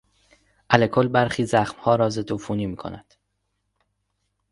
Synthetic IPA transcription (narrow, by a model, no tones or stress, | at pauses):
ʔælekʰo̞lbæɾxiːzæxmhɒːɾɒːzed̪ofuːniːmiːkʰo̞̰næd̪̥